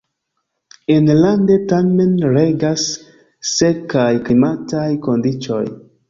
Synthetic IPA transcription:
enlande̞tame̞nɾeɡasː | ekajkimatajkondit͡ʃo̞̰j

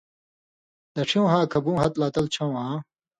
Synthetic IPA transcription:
d̪ɐʈ͡ʂʰĩw̃ɦãːkʰɐbũːɦɐt̪laːt̪ɐlt͡ɕʰɐ̃w̃ɦãː

